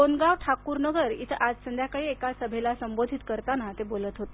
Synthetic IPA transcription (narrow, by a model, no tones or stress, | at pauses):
onɡaʋʈʰakuːɾnəɡəɾḭt̪ʰəʔad͡zsənd̪ʱjakaɭiːekasəbʱelasəmbod̪ʱit̪kəɾt̪anat̪ebolət̪ɦot̪e